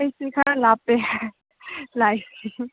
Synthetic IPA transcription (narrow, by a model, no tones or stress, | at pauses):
jsikʰaãlape | lajsi